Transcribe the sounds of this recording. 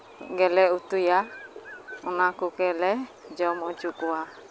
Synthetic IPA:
ɡɛlɛut̪uja | unakukɛlɛd͡ʒɔmɔd͡ʒukua

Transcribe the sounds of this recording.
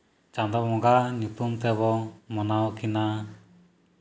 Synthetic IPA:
t͡ʃãnd̪ɔmɔɡaɲut̪umt̪ɛβɔmɔnawɔkina

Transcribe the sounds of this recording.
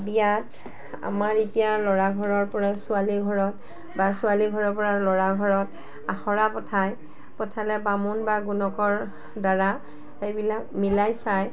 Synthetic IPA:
bijat | a̰maɹitijalɔɹaɡʱɔɹɔɹpɔɹasʊaliɡʱɔɹɔt | basʊaliɡʱɔɹɔɹpɔɹalɔɹaɡʱɔɹɔt | axɔɹapɔtʰaj | pɔtʰalɛbamunbaɡunɔkɔɹ | daɹa | xejbilakmilajsaj

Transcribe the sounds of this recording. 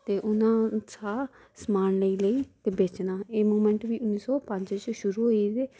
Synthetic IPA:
t̪eːʔʊnãːt͡ʃʰaː | smaːnləiːləiːt̪eːbeːt͡ʃnaːeːmoːmɛ̃ɳʈʋiːʊnːiːsɔːpəɲd͡ʒt͡ʃʃʊɾuːɦoːiːt̪eː

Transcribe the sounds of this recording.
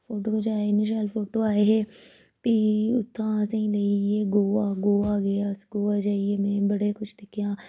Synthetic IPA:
fʰoːʈoːkod͡ʒaːeɪnɪʃnəlfoːʈoːaːeɦɛː | piːʊt̪ʰːãːsĩːleieːɡoːaːɡoːaːɡɐjaːsɡoːaːd͡ʒaːieːmɛ̃ːbəɽeːkʊt͡ʃʰd̪ɪkʰːjãː

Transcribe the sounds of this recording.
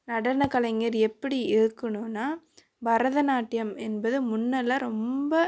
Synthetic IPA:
nɐɽɐnɐkɐlɐŋɡɐɾɛpːɐɽiɪɾɯkːɐɳɯnːaː | bɐɾɐðɐnaːʈːɪjɐmɛnbɐðɯmʊnːɐlɐɾɔmbɐ

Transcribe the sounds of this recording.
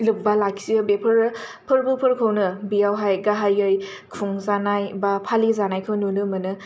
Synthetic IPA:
lɯp̚balaksiɯbepʰɯɾpʰɯɾbɯpʰɯɾkʰɯwnɯbijawɦajɡaɦajɯj | kʰuŋzanajbapʰalizanajkʰɯwnunɯmɯnɯ

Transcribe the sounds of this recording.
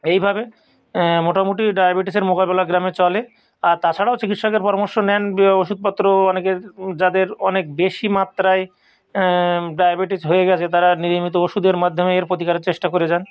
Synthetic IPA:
ejbʱabe | moʈamuʈiɖajabiʈiseɾmokabelaɡɾamet͡ɕɔle | aɾt̪at͡ɕʰaɽaot͡ɕikit̪ʃɔkeɾpɔɾamoɾʃonɛnoʃud̪̚pɔt̪ːɾoɔneked͡ʑad̪eɾɔnek̚beʃimat̪ːɾae | ɖajabiʈisɦoeɡɛt͡ɕʰet̪aɾaniɾimit̪ooʃud̪eɾmad̪ʱːomeeɾpot̪̬ikaɾeɾt͡ɕeʃʈakoɾed͡ʑan

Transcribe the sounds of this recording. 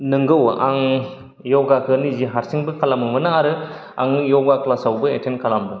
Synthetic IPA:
nɯŋɡɯwa̰ŋ | jɔɡakʰɯniziɦaɾsiŋbɯkʰalamɯmɯnaaɾɯ | a̰ŋjɔɡakʰlasawbɯetʰenkʰalambɯ

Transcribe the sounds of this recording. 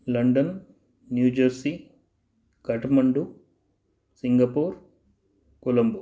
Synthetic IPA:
lɐɳɖɐnː | juːd͡ʒɐɾsi | kɐʈmɐɳɖu | siŋɡɐpuːɾ | kulɐmbu

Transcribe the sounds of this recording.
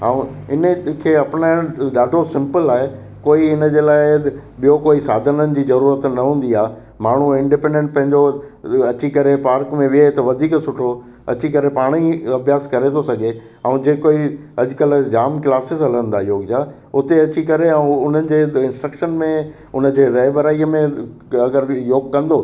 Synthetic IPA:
ɦãːũɪnəkʰeːɐpnaɪ̃ɗaːɖʱosɪ̃mpəlaːɦe | koːiɪnə̆d͡ʑeːlaːɪɓijokoːisaːd̪ʱənənɪ̆d͡ʑiːzɐɾuːɾət̪nɐɦũːnd̪iaː | maːɳ̤uɪ̃ɳɖɪpẽːɳɖẽɳʈ̚pɐ̃ɦɪ̃ɲd͡ʑoɐt͡ɕikɐɾepaːɾkmẽʋɪet̪ɐʋɐd̪ʱiːksʊʈʰo | ɐ̰t͡ɕikɐɾepaːɽ̃iɐbʱjaːskɐɾet̪ʰosɐɡʱe | ɐ̃ũd͡ʑeːkoːiɐd͡ʑʊkəld͡ʑaːmklaːsɪzɐlə̃nd̪aːjoːɡd͡ʑaː | ʊt̪eɐt͡ɕikɐɾeɛ̃ũʊn̤ənɪ̆d͡ʑeːɪ̃nsʈɾəkʃənmẽ | ʊnə̆d͡ʑeːɾɐɪbɐɾaːiəmẽ | ɐɡəɾjoːɡkɐ̃nd̪oː

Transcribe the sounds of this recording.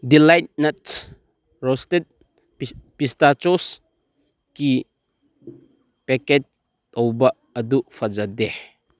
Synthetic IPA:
dilajt̚nɐt | ɾɔstet̚ | pistat͡ʃɔs | ki | pɛket͡ʃ | t̪ɔwbɐ | ɐdufʰɐd͡ʒɐde

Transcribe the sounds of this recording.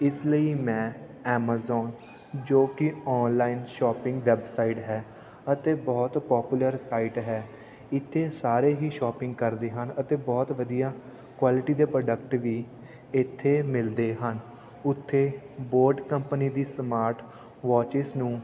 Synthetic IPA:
ɪsləiːmɛ̃ː | ɛːmaːzɔːn | d͡ʒoːkɪɔːnlaːiːnʃɔːpɪ̃ŋɡʋɛbsaːiʈɦɛː | ət̪eːbɔːt̪pɔːpjuləɾsaːiʈɦɛː | ɪt̪ʰːeːsaːɾeːɦiːʃɔːpɪ̃ŋɡ̚kəɾd̪eːɦənət̪eːbɔːt̪ʋəd̪ijaː | kwaːlɪʈiːd̪eːpɾəːɖək̚ʈʋiː | ɪt̪ʰːeːmɪld̪eːɦən | ʊt̪ʰːeː | boːɾɖkəmpəniːd̪iːsəmaːɾʈ | ʋɔːt͡ʃɪsnũː

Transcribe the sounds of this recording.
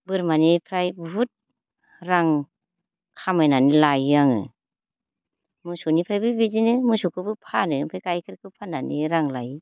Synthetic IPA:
bɯɾmanipʰɾajbut̚ | ɾaŋ | kʰamajnanilajaŋɯ̰ | mɯsunipʰɾajbɯbizinɯmɯsukʰɯbɯpʰanɯpʰɾajkajkʰɯɾkʰɯpʰananiɾaŋlaj

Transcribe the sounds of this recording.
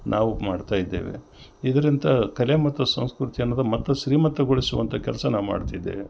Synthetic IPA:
nʔaːʋumaːɖt̪aːjid̪ːḛːʋḛ | id̪ɐɾint̪ɐkɐlemɐt̪ːusɐ̰w̃skɾut̪ijɐnːɐd̪ɐmɐt̪ːɐʃɾiːmɐt̪ːɐɡoɭisuʋɐ̰nt̪ʰɐkʲɛlɐsɐnaːʋuma̰ːɖt̪ajd̪ːḛʋe

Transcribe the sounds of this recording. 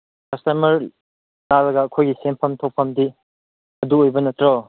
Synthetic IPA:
kɐstɐmɐɾ | lalɐɡɐːkʰojɡisempʰɐmtʰow̚pʰɐmdi | ɐduojbɐnɐtɾɔ

